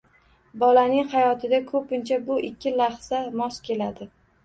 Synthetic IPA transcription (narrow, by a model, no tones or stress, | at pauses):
bɒlanɪŋhajɒt̪ʰɪd̪akʰɵpɪnt͡ʃʰabʊʔɪkʲʰːɪlaχsamɒskʲʰe̞lad̪ɪ